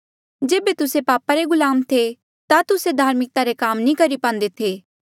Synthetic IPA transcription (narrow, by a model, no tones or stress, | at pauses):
d͡ʒeːbet̪ʊsepaːpaɾeɡʊlaːmt̪ʰe | t̪at̪ʊsed̪ʱaːɾmɪk̚t̪aɾekaːmnĩkɐɾipãːn̆d̪et̪ʰeː